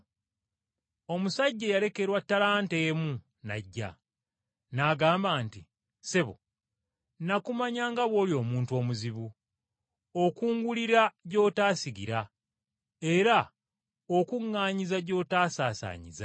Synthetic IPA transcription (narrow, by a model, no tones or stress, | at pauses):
o̞musaɟːe̞jale̞ke̞ɾwatːalaːnteːmu | na̰ɟːa̰ | naɡaːmbaːnti | se̞βo̰ | nakumaɲaːŋɡaβwo̞ːljo̞ːmuːnto̞ːmuziβu | okuːŋɡuliɾaɟo̞ːtaːsiɡiɾa | eɾa | okuŋːaːɲizaɟo̞ːtaːsaːsa̰ːɲḭza̰